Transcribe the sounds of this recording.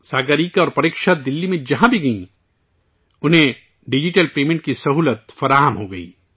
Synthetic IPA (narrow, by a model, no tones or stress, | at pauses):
saːɡəɾiːkɔːɾpɐɾikʃad̪ɪlːimẽd͡ʒɐɦãbʱiɡɐḭ̃ | ʊnɦẽ | ɖɪd͡ʒiʈəlpeːmẽɳʈ̚kisɐɦuːlət̪fɐɾaːɦəmɦoɡɐḭː